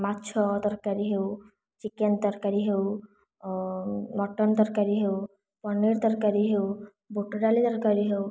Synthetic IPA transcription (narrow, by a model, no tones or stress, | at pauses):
matːt͡ʃʰɔd̪ɔɾkaɾiɦew | t͡ʃikend̪ɔɾkaɾiɦew | mɔʈɔnd̪ɔɾkaɾiɦew | pɔnːiɾd̪ɔɾkaɾiɦew | buʈoɖalid̪ɔɾkaɾiɦew